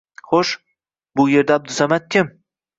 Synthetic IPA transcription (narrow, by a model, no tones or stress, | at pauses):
χoʃ | bʊje̞ɾd̪aːb̚d̪ʊsamat̪̚kʲʰɪm